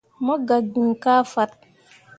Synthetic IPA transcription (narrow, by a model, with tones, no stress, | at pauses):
mɔ˦ɡa˨ɡi˨kaː˦fa˦t̚